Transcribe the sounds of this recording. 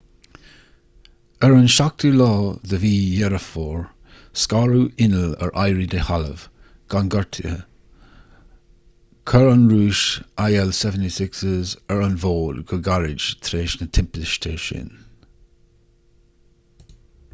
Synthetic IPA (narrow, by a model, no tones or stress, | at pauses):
əɹənʃak̚tʰulɔːðəviːjɛɹəfoːɹ | skaɹuʔɪnələ̰ɹʔajɹid̪ehalə̰v̥ | ɡ̥anɡəɹtʰiə̰ | kʰəɹanɹuːʃʔajɛlsɛvəntisɪksəzəɹanvoːdɡəɡaɹɪd͡ʒt̪ʰɾeːʃnət̪ʰɪmpɪʃt̪ʰəɹʃɪ̰n